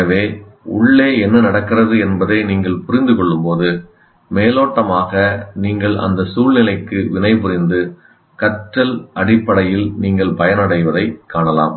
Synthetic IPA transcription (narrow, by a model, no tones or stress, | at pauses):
ɐʋeːʊ̰ɭːeːɛnːɐnɐɽɐkːɪrɐðɯɛnbɐðeniːŋɡɐɭpʊɾɪnd̪ɯkɔɭːɯmpoːðɯ | meːloːʈːɐmaːɣɐniːŋɡɐɭɐ̰nd̪ɐsuːlnɪlɐɪkːɯʋɪnɐɪpʊɾɪnd̪ɯ | kɐʈɾɐlʔɐɽɪpːɐɽɐjɪlniːŋɡɐɭpɐjɐnɐɽɐɪʋɐðɐɪkːaːɳɐla̰ːm